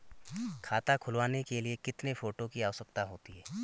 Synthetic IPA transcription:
kʰaːt̪akʰʊlwaːnekeliekɪt̪nefoːʈokiaːɔsək̚t̪aɦoːt̪iɦɛː

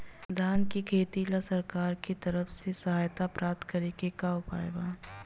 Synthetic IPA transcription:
d̪ʱaːnkikʰeːt̪ilasɐɾkaːɾkit̪ɐɾəfsesɐɦaːjt̪apɾaːp̚t̪kɐɾekekaʊpa̰ːjbaː

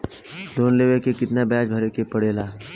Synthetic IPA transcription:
d̪oːnleːʋekekɪt̪nabɛːd͡ʒbʱəɾekepəɽeːlaː

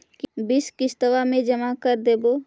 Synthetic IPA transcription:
kbɪskɪst̪əʋamẽd͡ʒəmakəɾd̪eːboː

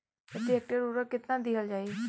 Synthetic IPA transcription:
ət̪iɛːk̚ʈəɾuɾəkɪt̪nãːd̪iɦəld͡ʒaːiː

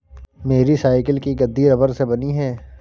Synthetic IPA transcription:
meːɾisaːɪkɪlkiɡɐd̪ːiɾɐbəɾsebɐniɦɛː

